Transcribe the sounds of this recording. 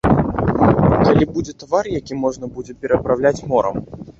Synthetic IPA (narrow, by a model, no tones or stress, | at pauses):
kalʲibud͡zʲɛt̪varjakʲimɔʐnɐbud͡zʲɛpʲɛɾɐpɾawlʲat͡sʲmɔɾɐ̰m